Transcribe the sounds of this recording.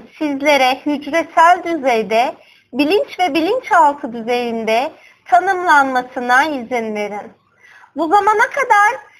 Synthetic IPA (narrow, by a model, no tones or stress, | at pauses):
sizlʲe̞ɾɛhyd͡ʒɾɛt̪sælʲd̪yzejd̪ɛ | bilʲint͡ʃvɛbilʲint͡ʃhalˠk̪ʰɯd̪yze̞jind̪ɛ | t̪ʰanɯmlˠanmasɯnaizinlʲeɾin | buzamanakʰad̪aɾ̥